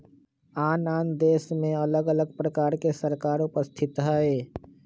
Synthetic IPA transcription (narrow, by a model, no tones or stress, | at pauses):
aːnaːnd̪eːsmẽɐləɡələɡ̚pɾəkaːɾkesəɾkaːɾʊpəst̪ʰɪt̪ɦɛeː